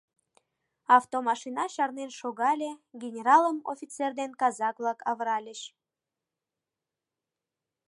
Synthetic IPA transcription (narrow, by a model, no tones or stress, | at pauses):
ɑft̪omɑʃinɑɕɑrnenʃoɣɑlʲeɡʲenʲeɾɑləmo̰fʲit͡serd̪enkɑzɑkvlˠɑkɑvəɾɑlʲəɕ